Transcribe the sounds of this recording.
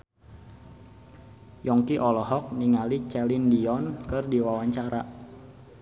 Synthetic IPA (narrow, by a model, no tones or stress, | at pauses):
jɔŋkiʔɔlɔɦɔk̚niŋalit͡ʃɛlindiɔnkɨrdiwawaɲt͡ʃaɾa